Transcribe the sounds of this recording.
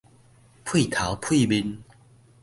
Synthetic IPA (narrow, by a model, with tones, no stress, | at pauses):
pʰwi˥˨t̪ʰa˨˦wpʰwi˥˧bi˧n